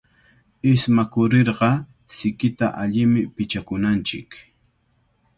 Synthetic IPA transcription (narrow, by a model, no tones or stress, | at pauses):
ɪsmakʊɾeɾɢɑ | sɪkɪt̪aʔaʎɪmɪpɪt͡ʃakʊnant͡ʃɪk